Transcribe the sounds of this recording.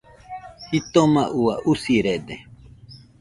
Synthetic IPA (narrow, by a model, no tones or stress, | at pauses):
hit̪omaʔuaʔusiɾed̪e